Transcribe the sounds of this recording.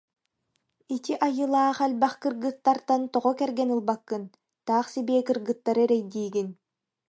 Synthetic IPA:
it̪iʔajɯlˠaːχɛlʲbaχkɯɾɡɯt̪ːaɾt̪ant̪ɔʁɔkɛɾɡɛnɯlˠbakːɯn | t̪aːχsibɛːkɯɾɡɯt̪ːaɾɯɛɾɛjd̪iːɡin

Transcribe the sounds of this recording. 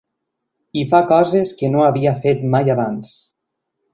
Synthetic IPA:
ifakɔzeskənoaβiafet̪majaβans

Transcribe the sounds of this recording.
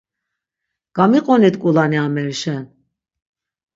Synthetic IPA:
ɡ̥amiqʼɔnit̪kʼulaniamɛɾʃɛn

